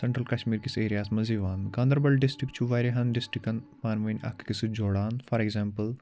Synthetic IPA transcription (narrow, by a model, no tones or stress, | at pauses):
sɐɳʈɾəlkɐʃmiːɾkiseːɾijaːsmɐziʋaːnkãːnd̪əɾbɐlɖɪsʈɾikt͡ʃʰuʋaːɾeɦɐnɖɪsʈɾikɐnpaːnʋɐnʲɐ̰kkisɨd͡ʒoːɽaːnfʰɐɾeɡzaːmpəl